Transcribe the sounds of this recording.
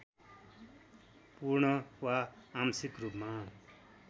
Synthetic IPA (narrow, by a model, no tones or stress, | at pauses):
puɾɳʌwaːmsikrupma